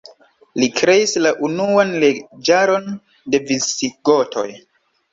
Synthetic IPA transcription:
likɾe̞islaʔunuanled͡ʒaɾo̞n | de̞viiɡotʰo̞̰j

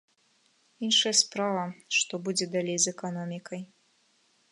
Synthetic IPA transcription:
inʂɐjɐspɾavɐʂt̪ɔbud͡zʲɛd̪alʲejzɛkanɔmʲikɐj

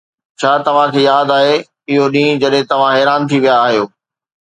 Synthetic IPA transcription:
t͡ɕʰaːt̪ɐʋ̤ãkʰeːjaːd̪aːɦe | ɪɦoɗĩːd͡ʑɐɗɦɪ̃t̪ɐʋ̤ãɦɛːɾaːnt̪ʰiʋijaːɦijoː

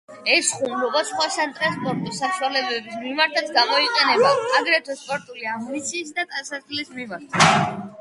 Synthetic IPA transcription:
ɛsχumlɔbasχwasant̪ʼɾɛspʼɔɾt̪ʼisaʃwalɛbɛbismimaɾt̪ʰat̪sɡamɔiqʼɛnɛbaːɡɾɛt̪ʰwɛspʼɔɾt̪ʼuliambit̪sʰiːs̬d̪at̪ʼasaslismimaɾt̪ʰa

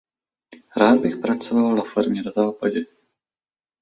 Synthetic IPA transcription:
ɾaːd̪̚bɪxpɾat͡sovalnafoɾmɲɛdozaːpaɟɛ

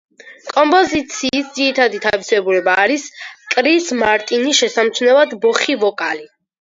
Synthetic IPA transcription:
kʼɔmpʼɔzit̪sʰiːsd̪ziɾit̪ʰad̪it̪ʰavisɛbulɛbaːɾiskʼɾismaɾt̪ʼiniʃɛsamt̪sʰnɛvad̪bɔχivɔkʼali

